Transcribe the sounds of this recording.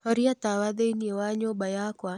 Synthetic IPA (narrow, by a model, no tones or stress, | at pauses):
ɔɾiatawaðeniewaɲobajakwa